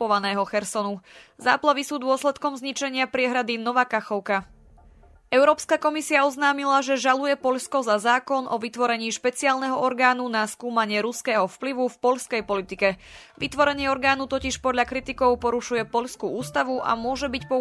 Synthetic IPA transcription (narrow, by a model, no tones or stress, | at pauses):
pɔʋanɛːɦɔxɛɾsɔnuza̰ːplaʋisuːd̪ʊɔslɛt̪kɔmzɲit͡ʃɛɲɪapɾɪɛɦɾad̪inɔʋaːkaxɔʊka | ɛʊɾɔːpskakɔmisiaɔznaːmilaʒɛʒalujɛpɔʎskɔzazaːkɔnʔɔʋit̪ʋɔɾɛɲiːʃpɛt͡siaːlnɛɦɔʔɔɾɡaːnunaskuːmaɲɪɛɾuskɛːɦɔfpliʋufpɔʎskɛjpɔlit̪ikɛʋit̪ʋɔɾɛɲɪɛɔɾɡaːnut̪ɔciʃpɔd̪ʎakɾit̪ikɔʊpɔɾuʃujɛpɔʎskuʔuːst̪aʋuʔa̰mʊɔʒɛbicpɔ